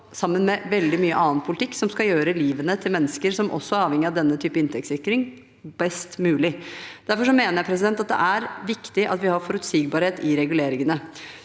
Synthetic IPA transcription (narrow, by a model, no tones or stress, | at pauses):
sɑmːənmɛʋɛld̪ɪmyːəʔɑːnpʰʊlɪt̪ʰɪkːsɔmskɑljøːɾəliːʋənət̪ʰɪlmɛnːəskəɾsɔmʔɔ̰sːɔæɾɑːʋɛŋːɪɑʋd̪ɛnːət̪ʰyːpəɪnt̪ʰɛk̚tsɪkːɾɪŋ | bɛst̪mʉːlɪd̪æɾfɔʂɔmeːnəɾjæpʰɾɛs̬ɪd̪ɛnt̪ɑt̪̚d̪ɛ̰ʔæɾʋɪkt̪ɪʔɑ̰t̪ʋɪhɑɾfɔɾʉt̪siːɡ̚bɑːɾheːt̪ɪɾɛɡʉleːɾɪŋənə